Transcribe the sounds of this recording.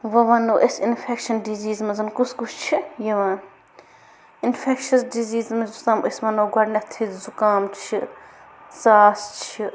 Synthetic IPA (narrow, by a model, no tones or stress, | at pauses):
ʋɐʋɐnoːʔesinfʰekʃɐnɖiziːzmɐzɐnkuskust͡ʃʰijɐʋaːn | infʰekʃɐsɖiziːzmɐzust̪ɐmʔesmɐnoːɡɐɖnɐt̪ʰizukaːmt͡ʃʰi | saːst͡ʃʰi